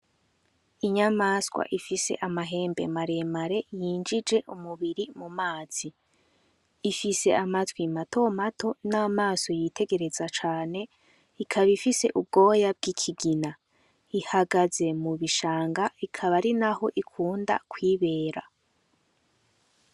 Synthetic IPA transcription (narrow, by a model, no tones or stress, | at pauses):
iɲamaskwa̰ʔifise̞̰ʔamaɦe̞ːmbemaɾe̞maɾe̞jiːnd͡ʒid͡ʒe̞ʔumuβiɾimumaːz̥i | ifise̞̰amatwimato̞matʰo̞naːmaːso̞jitʰe̞ɡe̞ɾe̞zat͡ʃaːne̞ | ikʰaβifise̞̰ʔub̚ɡo̞ːjab̚ɡikʰiɡina | ihaɡaze̞muβiʃaːŋɡaikʰaβaɾinaho̞ʔikʰuːnda̰kwiːβe̞ːɾa̰